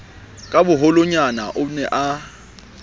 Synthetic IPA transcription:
kʼabʊɦʊlʊɲanaʔʊnɛʔa

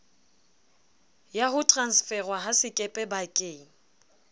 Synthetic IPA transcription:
jaɦʊtʼransfɛrwaɦasɪkʼɛpʼɛbakʼeːŋ̩

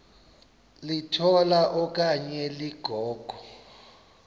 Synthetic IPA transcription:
litʰɔlaʔɔk̬ʼaɲɛliɡ̥ʱɔːɡ̥ʱɔ

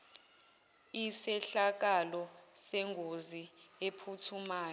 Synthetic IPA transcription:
isɛɬak̬alɔsɛŋʱoziepʰutʰumaːjɔ

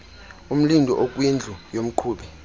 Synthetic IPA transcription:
um̩lindʱɔ̰ʔok̬ʼwind͡ɮʱujom̩ǃʰuːɓɛ

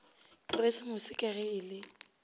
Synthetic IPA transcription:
pʼʊresɪmʊsɪkʼɛɣɛɪlɪ

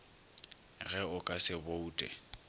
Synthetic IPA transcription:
ɣɛʊkʼasɪbouːtʼɛ̰

